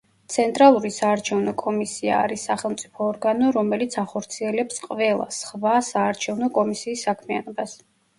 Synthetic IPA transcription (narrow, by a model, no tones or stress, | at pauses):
t̪sʰɛnt̪ʼɾalˠuɾisaːɾt͡ʃʰɛvnɔkʼɔmisia̰ːɾisːaχɛlˠmt̪sʼipʰɔːɾɡanɔɾɔmɛlit̪sʰaχɔɾt̪sʰiɛlɛpsqʼvɛlˠa̰sχvasaːɾt͡ʃʰɛvnɔkʼɔmisiːsːakʰmianɔbas